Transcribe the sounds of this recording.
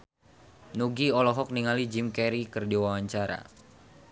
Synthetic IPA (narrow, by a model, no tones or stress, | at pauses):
nuɡiɔlɔɦɔk̚niŋalid͡ʒimkɛɾikɨrdiwawaɲt͡ʃaɾa̰